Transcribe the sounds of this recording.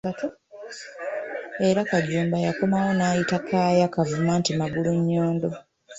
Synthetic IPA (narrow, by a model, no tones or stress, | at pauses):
ato | e̞ɾakaɟuːmbajako̞mawo̞naːjitakʰaːjakavumaːntimaɡuluɲːo̞ːndo̞